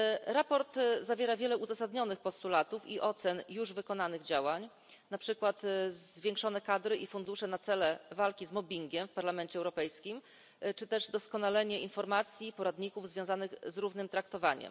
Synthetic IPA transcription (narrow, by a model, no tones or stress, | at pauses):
ɾapɔɾt̪zavʲjɛɾavʲjɛlɛʔuzasad̪ɲɔnɘxpɔst̪ulat̪ufiʔɔt̪sɛnjuʐvɘkɔnanɘɣd͡ʑawaɲ | napʂɘkwat̪zvʲjɛ̃ŋkʂɔn̪ɛkad̪ɾɘʔifund̪uʂɛnat̪sɛlɛvalkʲizmɔbʲiŋɡʲɛmfpaɾlamɛnt͡ɕɛɛwɾɔpɛjskʲim | t͡ʂɘt̪ɛʐd̪ɔskɔnalɛɲɛinfɔɾmat̪sʲjipɔɾad̪ɲikuvzvʲjɔ̃w̃zanɘxzɾuvnɘmt̪ɾakt̪ɔvaɲɛ̰m